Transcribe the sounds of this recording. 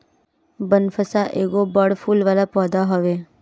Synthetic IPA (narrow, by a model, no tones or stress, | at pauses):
bənfʰəsaʔeːɡobəɽfuːlʋaːlapɔːd̪aɦɔʋe